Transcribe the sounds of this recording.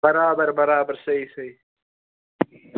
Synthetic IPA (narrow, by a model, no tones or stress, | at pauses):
bɐɾaːbɐɾbɐɾaːbɐɾsɐisɐi